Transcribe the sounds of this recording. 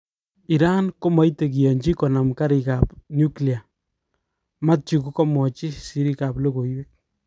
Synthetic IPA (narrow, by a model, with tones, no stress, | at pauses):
i˨ɾa˦nko˦ma˨jte˨k̬i˨je˨ɲd͡ʒi˦kɔ˨na˨mka˦ɾi˨ka˨pnju˦kli˨a˨ | ma˦t̚t͡ʃi˨ku˦kɔ˦mɔ˨t͡ʃi˦si˦ɾi˦ka˨plo˦ko˨jwe˦k̚